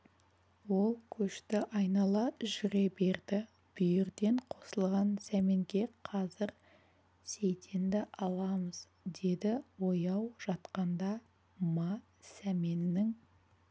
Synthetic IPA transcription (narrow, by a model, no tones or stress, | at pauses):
wo̞lˠkʲʰɵʃt̪ɪʔɑjnɑlˠɑʒʏɾebe̞ɾd̪ɪ | b̥ʏjɪɾd̪e̞ɴqʰo̞səlˠʁɑnsæme̞ŋɡʲe̞qʰɑzɪɾ | sejt̪ʰe̞nd̪ɪʔɑlˠɑməz̥ | d̪e̞d̪ɪwo̞jɑwʒ̥ɑt̪qɑnd̪ɑ | mɑ | sæme̞nːɪŋ